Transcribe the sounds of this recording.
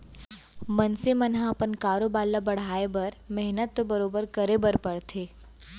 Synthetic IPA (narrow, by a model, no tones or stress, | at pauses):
mənsemənɦãɐpənkaːɾobaːlːabɐɽ̤aːebəɾmɛɦnət̪ːobəɾoːbəɾkəɾebəɾpɐɽt̪ʰeː